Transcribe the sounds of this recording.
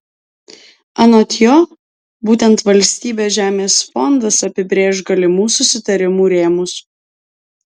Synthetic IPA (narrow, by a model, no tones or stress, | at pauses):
ɐnot̪ʲjo | buːt̪ʲɛnt̪ʋɐlʲsʲt̪ʲiːbʲeːʒʲæːmʲeːsfɔnd̪ɐsɐpʲɪbʲɾʲeːʃɡɐlʲɪmuːsʊsʲɪt̪ɐɾʲɪmuːɾʲeːmʊs